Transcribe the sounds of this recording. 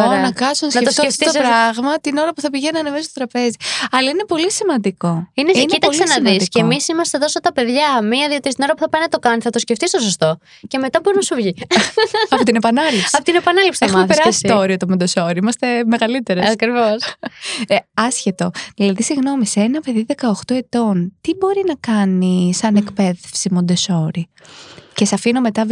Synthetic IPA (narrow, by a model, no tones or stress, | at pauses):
oɾɐnɐkɐsonɐsnɐefotsoeft̪iospɾɐɣmɐt̪ino̞ɾɐpuθɐpiʝenɐnemesost̪o̥t̪ɾɐpe̞ziɐlɐine̞po̞lisimɐnd̪iko̞ineinit̪ɐksenɐðisiemisimɐst̪e̞ðosot̪ɐpe̞ðʝɐmiɐðio̞t̪ist̪ino̞ɾɐpu̥θɐpɐjnɐt̪o̞kɐnθɐt̪o̞sceft̪ist̪osost̪o̞ | ce̞me̞t̪ɐboɾinɐsuvʝi | ɐpot̪inepɐnɐlifsɐpot̪inepɐnɐlipsi̥exmɐmeθpesɾɐssi̥t̪ooɾiot̪omond̪e̞so̞ɾiimɐst̪e̞me̞ɣɐlit̪e̞ɾeɐkɾivos | eɐsçet̪o̞ðilɐðisiɣno̞miseenɐpe̞ðiðe̞kɐoxt̪oe̞t̪o̞nt̪ibo̞ɾinɐkɐnisɐne̞kpe̞ðefsimo̞nd̪e̞so̞ɾi | cesɐfinome̞t̪ɐ